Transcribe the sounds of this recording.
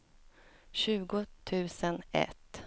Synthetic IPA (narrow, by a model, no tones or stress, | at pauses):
ɕʉ̟ːɡʊt̪ʰʉ̟ːsənɛ̰t̪ː